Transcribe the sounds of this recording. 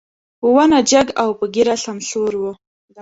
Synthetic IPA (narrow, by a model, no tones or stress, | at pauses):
uwanad͡ʒaɡawpəɡiɾaɬamsoɾwə